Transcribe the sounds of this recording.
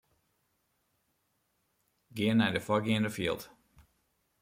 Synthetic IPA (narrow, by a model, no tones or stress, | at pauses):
ɡɪənːɛjdəfɔɡɪəndəfiəlˠt